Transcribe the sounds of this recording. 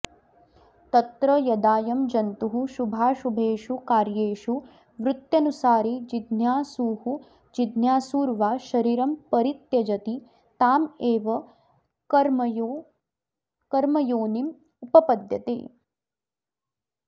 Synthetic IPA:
t̪ɐt̪ɾɐjɐd̪aːjɐmd͡ʒɐnt̪uɦuʃubʱaːʃubʱeːʃukaːɾjeːʃu | ʋɾut̪jɐnusaːɾid͡ʒid̪njaːsuːhu | d͡ʒid̪njaːsuːɾʋaːʃɐɾiːɾɐmpɐɾit̪jɐd͡ʒɐt̪i | t̪aːmeːʋɐ | ɐɾmo | kɐɾmɐjoːnim | upɐpɐd̪jɐt̪ḛː

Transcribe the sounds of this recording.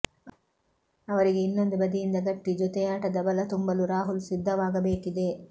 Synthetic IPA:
ɐʋɐɾiɡeinːɐnd̪ibɐd̪ijind̪ɐɡɐʈːid͡ʒɔt̪ɛjaːʈɐd̪ɐbɐlɐt̪umbɐluɾaːɦulsid̪ʱːɐʋaːɡɐbeːkid̪eː

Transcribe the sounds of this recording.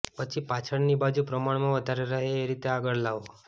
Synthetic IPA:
pət͡ʃʰipat͡ʃʰəɭnibad͡ʒupɾəmaɳ̃mãʋəd̪ʱaɾeɾəɦeːɾit̪eaɡəɭlaʋo

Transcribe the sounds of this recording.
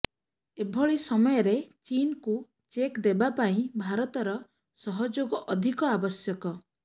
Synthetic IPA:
ebʱɔɭisɔmɔjɔɾet͡ʃinku | t͡ʃekd̪ebapaĩbʱaɾɔt̪ɔɾɔ | sɔɦɔd͡ʒoɡɔʔɔd̪ʱikɔabɔsjɔkɔ

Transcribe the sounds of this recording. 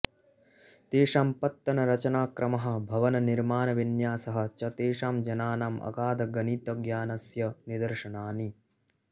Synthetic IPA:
t̪eːʂaːmpɐt̪ːɐnɐɾɐt͡ʃɐnaːkɾʔɐmɐɦɐ̆bʱɐʋɐnɐniɾmaːnɐʋinjaːsɐɦɐ̆t͡ʃɐt̪eːʂaːmd͡ʒɐnaːnaːmɐ̰kaːd̪ɐɡɐniːt̪ɐɡjaːnɐsjɐnid̪ɐɾʂɐnaːni

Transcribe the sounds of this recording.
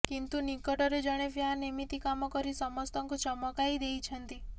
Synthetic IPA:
kint̪unikɔʈɔɾed͡ʒəɽ̃eʋjanimit̪ikamɔkɔɾisɔmɔst̪ɔŋkut͡ʃɔmɔkaid̪eit͡ʃʰənt̪i

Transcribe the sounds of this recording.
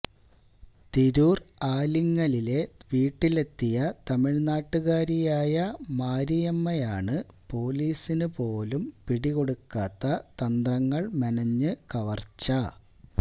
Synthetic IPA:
t̪eɾuːraːliŋːɐlile̞ʋiːʈːile̞t̪ːijɐt̪ɐmiɭnaːʈːuɣaːɾijaːjɐmaːɾijɐmːɐjaːɳɨpo̞ːliːsinɨpo̞ːlumpiɽiɣo̞ɽukːaːt̪ːɐt̪ɐnd̪rɐŋːɐɭmɐnɐɲːɨkɐʋɐrt͡ɕːɐ

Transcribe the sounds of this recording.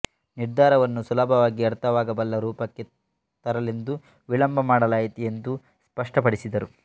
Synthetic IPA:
niɾd̪ʱaːɾɐʋɐnːusulɐbʱɐʋaːɡiɐɾt̪ʰɐʋaːɡɐbɐlːɐɾuːpɐkːe̞ | t̪ɐɾɐlend̪u | ʋilɐmbʱɐmaːɽɐlaːjit̪iend̪u | spɐʂʈɐp̬ɐɽisid̪ɐɾu

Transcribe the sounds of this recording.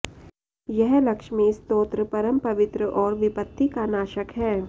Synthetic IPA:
jɛɦlɐkʃmẽɪst̪oːt̪ɾəpɐɾəmpɐʋɪt̪ɾəʔɔːɾʋɪpət̪ːikanaːʃəkɦɛː

